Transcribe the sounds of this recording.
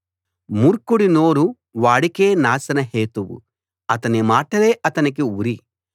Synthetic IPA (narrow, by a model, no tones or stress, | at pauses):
muɾkuɽinoːɾu | ʋaːɽike̞ːnaːsɐnɐɦeːt̪uwṵ | ɐt̪ɐnimaːʈɐle̞ːʔɐt̪ɐnikiuɾi